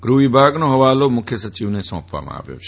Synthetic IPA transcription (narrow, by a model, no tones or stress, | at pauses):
ɡɾuʋibʱaɡnoɦəʋalomʊkʰjəsət͡ʃiʋnesɔ̰̃pʋa̰mã̰a̰ʋjo̰t͡ʃʰ